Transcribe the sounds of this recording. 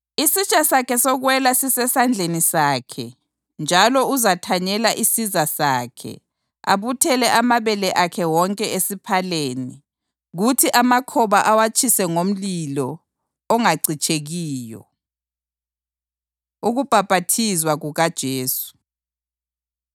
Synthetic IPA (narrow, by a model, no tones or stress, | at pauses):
isit͡ʃʼasakʰɛsɔɣwɛlasisɛsand͡ɮʱenisaːkʰɛ̰ | nd͡ʒʱalɔuzatʰaɲɛlaʔisizasaːkʰɛ̰ | a̰βutʰɛlɛʔamaβɛlɛʔakʰɛwɔŋkʼɛesipʰaleːni | ɣutʰiʔamakʰɔβaʔawat͡ʃʰʼisɛŋom̩lilɔː | ŋaɡ͡ǀʱit͡ʃʼeɣiːjɔ̰ | uɣub̥ʱab̥ʱatʰizwaɣuɣad̥ʒ̥ʱeːsu̥